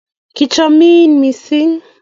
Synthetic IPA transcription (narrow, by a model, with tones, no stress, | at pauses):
kit͡ʃɔmiː˦nmi˨si˦ŋ